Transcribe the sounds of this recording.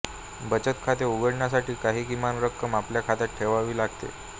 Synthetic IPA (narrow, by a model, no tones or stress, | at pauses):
bət͡ɕət̪kʰat̪̬euɡəɽɳjas̬aʈiːkaɦiːkimanɾəkːəmapljakʰat̪at̪̚ʈʰeʋaʋiːlaɡt̪ḛ